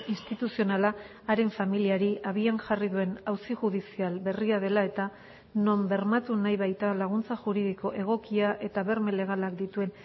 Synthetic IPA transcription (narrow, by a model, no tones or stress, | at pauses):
inst̪it̪usio̞nalaː | ɾe̞ɱfamiliaɾiaβ̞ianʝariðue̞nawsiʝuðisialbe̞riað̞e̞lae̞t̪a | no̞mbe̞ɾmat̪unajβajt̪alaɣ̞unt͡saʝuɾið̞iko̞ʔe̞ɣ̞o̞kiaʔe̞t̪aβe̞ɾme̞le̞ɣ̞alakd̪it̪ue̞n